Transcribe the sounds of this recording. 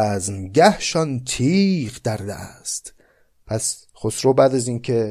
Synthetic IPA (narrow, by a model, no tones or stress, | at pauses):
znɟæhʃɒnt̪ʰiːqd̪̥æɾd̪æ̰ʔæst̪ | pʰæs | χosɾobæːd̪æziːnkʰe